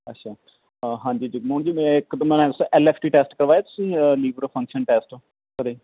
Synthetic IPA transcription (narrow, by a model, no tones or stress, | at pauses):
əʈːʃʰaː | ɦãːɲd͡ʒiːd͡ʒɪɡmoːɳd͡ʒiːmɛ̃ɪkt̪mɛ̃ːʊsʔɛːleːpʰʈiːʈeːsʈkəɾʋaːeːt̪ʊ̥sĩːliːbɾpʰə̃ŋkʃənʈeːsʈoː | kəɾeː